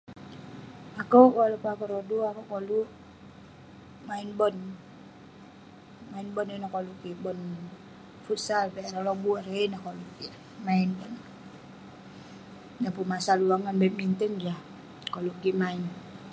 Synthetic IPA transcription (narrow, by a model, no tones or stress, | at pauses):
akukɔlupakuɾoduakukolu | mainbɔn | mainbɔnunakolukibɔn | futsalpɛaɾalɔbuaɾeinahkoluki | mainbɔn | napumasalulaŋanbɛmint̪əŋd͡ʒa | kolukimain